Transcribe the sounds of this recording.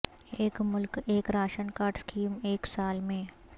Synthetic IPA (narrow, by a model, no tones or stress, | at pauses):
eːkmʊlkeːkɾaːʃənkaːɾɖskʰiːmeːksaːlmẽ